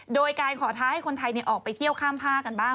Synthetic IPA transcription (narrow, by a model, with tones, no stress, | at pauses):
doː˧jkaː˧nkʰɔː˩˦t̪ʰaː˦˥ha˥˩jkʰo˧nt̪ʰa˧jni˧˩ʔɔː˨˩k̚pa˧jt̪ʰi˥˩əwkʰaː˥˩mpʰaː˥˩ka˧nbaː˥˩ŋ